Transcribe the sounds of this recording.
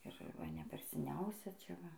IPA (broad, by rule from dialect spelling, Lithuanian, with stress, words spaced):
ɪr ˈʋɐ nʲɛ ˈpʲɛr sʲɛˈnʲɛʊsʲɛ t͡ʃʲɛ ˈʋɐ